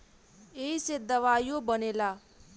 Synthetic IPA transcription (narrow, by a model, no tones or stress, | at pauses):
eised̪ʌwajobʌnela